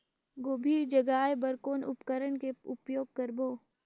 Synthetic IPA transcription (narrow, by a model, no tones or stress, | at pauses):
ɡoːbʱiːɾd͡ʒəɡaːjbəɾkoːnʊpkəɾəɽkeʊpjoːɡ̚kəɾboː